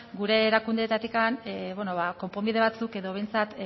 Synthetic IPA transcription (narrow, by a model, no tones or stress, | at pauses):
ɡuɾe̞ːɾakund̪et̪at̪ikanβono̞βako̞mpo̞mbið̞e̞βat͡suke̞ðo̞β̞e̞jnt͡sat̪